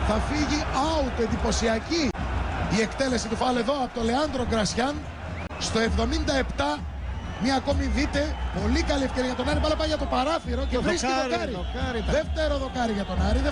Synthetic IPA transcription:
θɐfiʝiɐut̪ue̞nd̪ipo̞siɐciie̞kt̪e̞le̞sit̪ufɐloeðo̞ɐpot̪ole̞ɐnd̪ɾo̞ɡɾɐsçɐn | st̪o̞e̞vðo̞mind̪ɐe̞pt̪ɐ | mɐːko̞miðit̪e̞po̞likɐliefce̞ɾiɐʝɐt̪o̞nɐɾipɐlɐpɐʝɐt̪o̞pɐɾɐθiɾo̞cevɾisiðoɾkɐɾikɐɾðeft̪eɾoðo̞kɐɾiʝɐt̪o̞nɐɾiðe

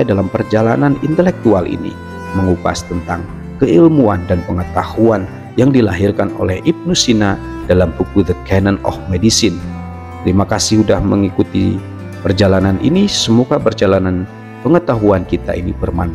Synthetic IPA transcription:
adalampərd͡ʒalananint̪əlɛk̚t̪ualʔḭnḭ | məŋupa̰st̪ənt̪aŋ | kəilmua̰ndanpəŋət̪ahuan | jaŋdilaɦirkano̰lɛhip̚nusina | d̥alampukud̪əkɛnənɔ̰hmedisɪn | t̪əɾimakasɪhudahməŋikut̪ḭ | pərd͡ʒalananʔḭnisəmukabərd͡ʒalanan | pəŋət̪aɦuankit̪a̰ʔinibərma̰n

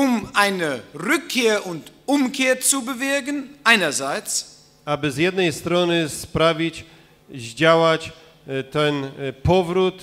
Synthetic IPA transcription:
ʊmʔaɪnəʁʏkʰːeːɐʔʊntʔʊmkʰeːɐt͡subəvɪɐɡənʔaɪnɐzaɪt͡s | abɘzjɛd̪̚nɛjst̪ɾɔnɪspɾavʲit͡ɕ | ʑd͡ʑawat͡ɕ | t̪ɛnpɔvɾut̪

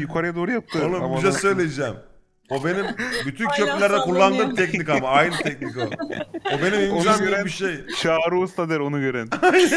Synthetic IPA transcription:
jukʰaɾajad̪oːɾujap̚t̪ʰɯonumbʃasø̞jlʲejd͡ʒɛm | obe̞nimbyt̪ʰyncʰø̞plʲilʲæɾd̪ɛkulˠːand̪ɯmt̪ʰɛcnikamaajnɯt̪ʰɛc̚nikoobe̞niminimibiʃejt͡ʃʰaːɾuːst̪ʰad̪ɛɾo̞nuɟøɾɛnaj

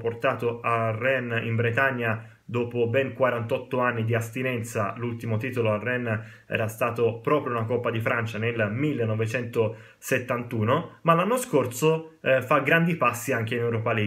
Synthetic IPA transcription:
port̪aːt̪oarːɛnḭmbɾet̪aɲːa | d̪ɔːpobɛŋkwaɾant̪ɔt̪ːoanːid̪iast̪inɛnt̪salult̪imot̪iːt̪oloarɛnː | ɛ̰ːɾast̪aːt̪opɾɔːpɾjounakɔpːad̪ifɾant͡ʃanelmilːenːɔvet͡ʃɛnt̪o | set̪ːant̪uːnomalanːoskorsofaɡɾand̪ipasːiaŋk̟einewɾɔpali

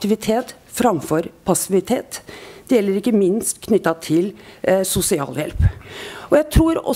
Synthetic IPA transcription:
t̪ɪʋɪt̪ʰeːt̪ | fɾɑmfɔɾpʰɑsɪʋɪt̪ʰeːt̪d̪̥ɛjɛlːəɾɪkːəmɪnst̪kʰnʏt̪ːɑt̪ʰɪlsʊsɪɑ̰ːljɛ̰lpɔjæɪt̪ʰɾuːɾɔ̰

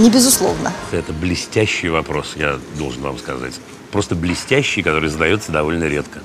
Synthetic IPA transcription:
nʲɪbʲɪzʊslˠo̰vnə̰ɛt̪əblʲɪsʲtʲæɕːɪjvɐpɾo̞sjad̪o̞lˠʐɨnva̰mskɐza̰tʲ | pɾo̞st̪əblʲɪsʲtʲæɕːɪjkɐt̪o̞ɾɨjzəd̪ɐjo̞t̪səd̪ɐvolʲnəɾʲe̞t̪kə

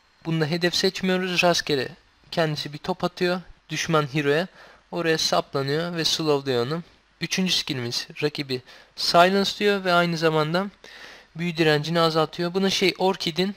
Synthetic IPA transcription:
b̥und̪aɦe̞d̪ɛfsɛt͡ʃmijo̞ɾuzɾascʰeɾɛ̰ | cʰɛnd̪isibit̪ʰo̞pʰat̪ʰɯjo̞d̪̥yʃmanɦiɾo̞ja | o̞ɾajasaplˠanɯjo̞vɛsɯlˠovd̪ˠijonu | yt͡ʃʰynd͡ʒysi̥cilʲimiz̥ɾacʰibisajlˠanst̪ˠɯjo̞vɛajnɯzamand̪a | byjyd̪yɾænd͡ʒiniazalˠt̪ʰɯjo̞bunaʃejʔo̞ɾcʰid̪in

